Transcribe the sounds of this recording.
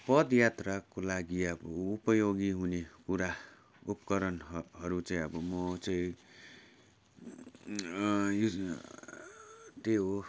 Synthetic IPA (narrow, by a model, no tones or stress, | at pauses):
pʌd̪jat̪rakolaɡiʌbʌupʌjoɡiɦunekuɾa | upkʌɾʌnɦʌɾut͡saĩʌbʌmʌt͡saĩ | t̪eɦo